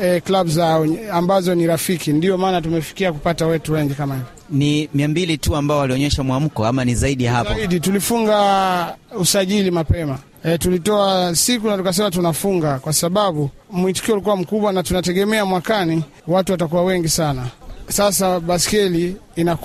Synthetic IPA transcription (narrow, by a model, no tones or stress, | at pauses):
ɛklaɓuzaɔambazɔniɾafikindiɔmaːnatumɛfi̥kiakupatawɛtuwɛŋɡikamahivjɔnimiambilituambaɔaliɔɲɛʃamwam̩kɔamanizaiɗiahapɔiɗitulifuŋɡa | usaʄilimapɛma | tulitɔasikunatukas̬ɛmat̬unafuŋɡakwasaɓaɓu | mwiti̥kiɔulik̬uwam̩kuɓwanatunatɛɠɛmɛamwakani | watuwatakuwawɛŋɡisanasasaɓaskɛliːna